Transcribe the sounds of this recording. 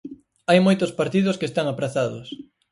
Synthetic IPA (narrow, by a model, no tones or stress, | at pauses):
ajmojt̪ʊspaɾt̪iðʊskest̪aŋapɾaθaðʊs